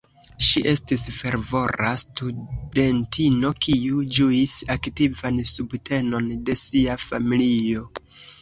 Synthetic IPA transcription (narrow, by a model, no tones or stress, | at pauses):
ʃiʔe̞stisfe̞ɾvo̞ɾastude̞ntʰino̞kʰiud͡ʒuisaktivansubtʰe̞no̞nde̞siafamilio̞